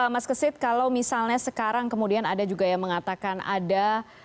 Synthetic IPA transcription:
maskəsɪt̪̚kalawmisalɲasəkaɾaŋkəmudianadad͡ʒuɡajaŋməŋat̪akana̰da

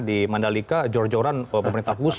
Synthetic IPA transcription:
dimandalikad͡ʒɔrd͡ʒɔɾanəpəməɾint̪ahkus

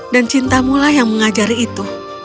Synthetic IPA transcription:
dant͡ʃint̪amulahjaŋməŋad͡ʒaɾiːt̪u

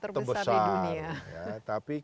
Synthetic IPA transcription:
t̪ərbəsarjat̪api

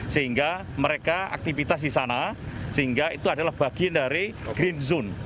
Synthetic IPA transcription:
səɦiŋɡa | məɾekaa̰k̚t̪ifit̪as̬disanasəɦiŋɡait̪uadalahb̥aɡ̥iandaɾiɡ̥ɾinzʊn

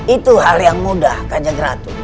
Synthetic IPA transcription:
it̪uɦaljaŋmudahkad͡ʒaɡəɾa̰t̪u

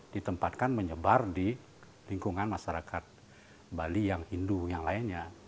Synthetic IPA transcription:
d̥it̪əmpat̪̚kanməɲəbardi | liŋkuŋanmaʃaɾakat̪̚ | balijaŋhindujaŋlainɲa

